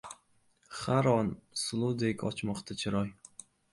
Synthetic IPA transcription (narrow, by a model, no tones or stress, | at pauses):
χaɾɒnsʊlˠud̪ekʲɒ̰t͡ʃmɒqt̪ʰat͡ʃʰɪɾɒj